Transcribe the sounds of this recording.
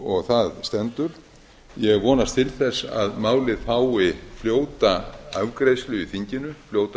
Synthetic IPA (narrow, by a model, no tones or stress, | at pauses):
ɔɣθaðst̪ɛnt̪ʏɾ̥ | jɛɣvɔːnast̪ʰɪlθɛsa̰ðmaːwlɪðfaːwɪfljoːwt̪aavkɾejslʏiθiɲcɪnʏfljoːwt̪